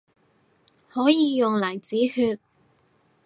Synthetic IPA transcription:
hɔː˨˥jiː˨˧jʊ˨ŋlɐ˨˩jt͡siː˨˥hyː˧t̚

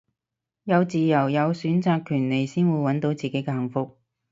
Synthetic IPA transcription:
jɐ˨˧wt͡siː˨jɐ˨˩wjɐ˨˧wsyː˨˥nt͡saː˧kʰːyː˨˩nle˨˩jsiː˥nwuː˨˧jwɐ˨˥nt̪o˨˥wt͡siː˨ke˨˥jkɛː˧hɐ˨˩ŋfʊ˧k̚

